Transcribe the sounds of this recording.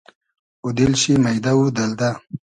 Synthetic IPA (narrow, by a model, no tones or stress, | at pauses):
ud̪ilɕimɐjd̪awud̪ɐld̪a